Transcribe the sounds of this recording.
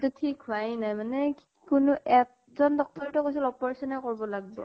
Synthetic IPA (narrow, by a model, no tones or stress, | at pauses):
tutʰikɦuajnajmanɛ | kʊnʊʔɛt | zɔndɔk̚tɔɹitɔkojs̬ilɔpɔɹasɔnaɹkɔɹbɔlaɡ̚bɔ̰